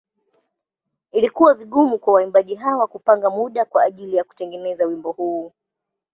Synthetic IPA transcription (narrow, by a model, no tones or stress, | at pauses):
ilikuwaviɠumukwawaimbaʄiɦawakupaŋɡamuɗakwaːʄilijaku̥tɛŋɡɛnɛzawimbɔhuː